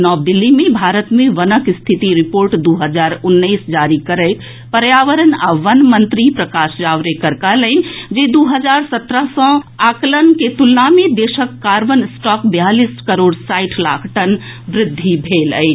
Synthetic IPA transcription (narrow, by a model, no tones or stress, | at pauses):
nɔːb̚d̪ɪlːimebʱaɾət̪mẽʋənəkst̪ʰit̪iɾipoːɾʈd̪uɦəd͡ʒaːɾʊnːəɪsd͡ʒaːɾikəɾəɪt̪ʰ | pəɾjaːʋəɾəna̰ʋənmənt̪ɾipɾəkaːsd͡ʒaʋɾekəɾkaləɪnd͡ʒed̪uɦəd͡ʒaːɾsət̪ɾəɦsɔ̃aːklənket̪ulːamed̪eʃəkːaɾʋənsʈɔkbjaliskəɾoːɖsaɪʈʰlaːkʰʈən | bɾɪd̪ʱːibʱeːlə̰ɪt͡ʃʰ